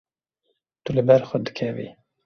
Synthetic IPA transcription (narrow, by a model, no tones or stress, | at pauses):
t̪ulɨbɛɾxəd̪ɨ̥kʰɛvḭ